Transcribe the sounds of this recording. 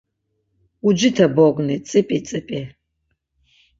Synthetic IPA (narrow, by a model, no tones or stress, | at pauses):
ud͡ʒɪtʰɐboɡʷnɨt͡sʼɨpʼit͡sʼɨpʼe